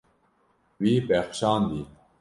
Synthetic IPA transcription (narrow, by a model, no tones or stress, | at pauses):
wiːpexʃaːnd̪i